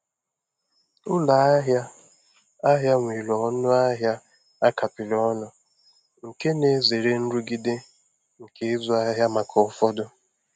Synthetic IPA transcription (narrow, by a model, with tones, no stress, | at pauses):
ʊ˦la˨a˦ɦja˦ | a˦ɦja˦ŋʷi˨lɔ˨ɔ˦nʊ˦a˦ɦja˦ | a˦kʰa˨pɪ˨lɔ˦nʊ˨ | ŋ̩˨ke˦ne˨ze˨ɾe˦n̩˦ɾu˦ɡi˦de˦ | ŋ̩˨ke˨˦zʊ˦a˦ɦja˦ma˨kʰɔ˨˦fɔ˦dʊ˦